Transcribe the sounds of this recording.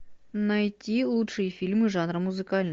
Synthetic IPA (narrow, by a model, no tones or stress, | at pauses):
nɐjtʲilˠutʂɨjəfʲilʲmɨʐanɾəmʊzɨkalʲn